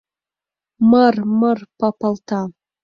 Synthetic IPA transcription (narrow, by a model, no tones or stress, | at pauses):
mərmərpʰapʰaltʰa